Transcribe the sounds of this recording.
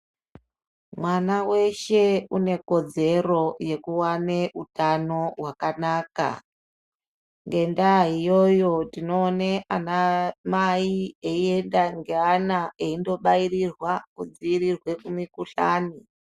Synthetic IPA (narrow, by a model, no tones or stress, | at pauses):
mwanawe̞ʃe̞une̞ko̞d͡ze̞ro̞je̞kuwane̞ʔutano̞ɦwakanaːka̰ | ŋɡe̞ndaɦijo̞jo̞dino̞ːneanamaieie̞ndaŋɡeanaeindo̞ɓairirwakud͡ziirirwe̞kumikuɬa̰ːni